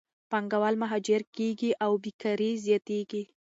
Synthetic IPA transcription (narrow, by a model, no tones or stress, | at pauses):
paŋɡawalmaɦɑd͡ʒɪɾkeɡiʔawbikaɾizjɑt̪eɡi